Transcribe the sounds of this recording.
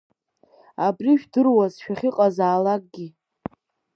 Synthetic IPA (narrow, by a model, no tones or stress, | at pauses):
abriʃᶣdɨrwazʃᶣaχʲɪqʼazaːlak̚ʼɡʲi